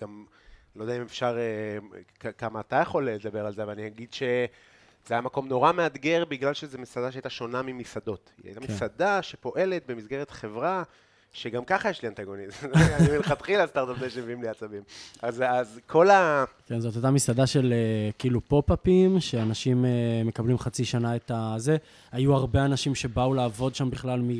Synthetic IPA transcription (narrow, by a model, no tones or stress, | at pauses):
ɡ̥am | lod̪eaimefʃaʁekakamaːt̪ajaχo̞led̪abe̞ʁalzeavalanihaɡid̪ʃe̞ | z̥eajamako̞mno̞ʁame̞ad̪ɡe̞ʁbiɡlalʃe̞zemisad̪aʃeajtaʃo̞namimisad̪o̞t̪a̰jt̪amisad̪aʃe̞po̞ʔe̞le̞t̪̚be̞mizɡe̞ʁet̪χe̞vʁa | ʃeɡamkaχajeʃliant̪aɡo̞nizimilχat̪χilast̪aʁt̪apzeʃemeviimliat͡sabimazazkʰo̞lake̞nzo̞t̪ot̪amisad̪aʃe̞lekiːlupo̞papimʃeanaʃimeme̞kablimχat͡siʃanaet̪aze | ajuaʁbe̞anaʃimʃe̞baulaːvo̞d̪ʃambiχlalmi